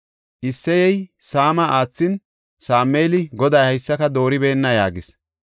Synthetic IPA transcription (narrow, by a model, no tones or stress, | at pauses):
ʔɪsːɛjɛjsaːmɐaːt͡sːɪn | saːmːeːlɪɡɔd̪ɐjhɐjsːɐkɐd̪o̞ːɾɪbe̞ːnːɐjaːɡɪs